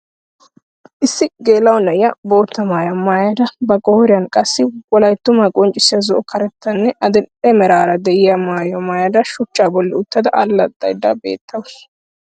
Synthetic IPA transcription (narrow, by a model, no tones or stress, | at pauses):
ʔɪsːɪɡe̞ːlːɐwnɐjɪɐbo̞ːt̪ːɐmaːjɐmaːjɐd̪ɐbɐkʼɔhɔɾɪjɐnkʼɐsːɪwɔlɐjt̪ːʊmɐkʼɔnt͡ʃʼːɪsɪjɐzɔʔɔkɐɾɛt̪ːɐnːɛɐd̪ɛmɛɾaːɾɐd̪ɛʔɪjɐmaːjɐmaːjɐd̪ɐʃʊt͡ʃːaːbɔlːɪʊt̪ːɐd̪ɐʔɐlːɐt̪ʼːɐ̰jd̪ɐ̰bḛːt̪ːɐwʊ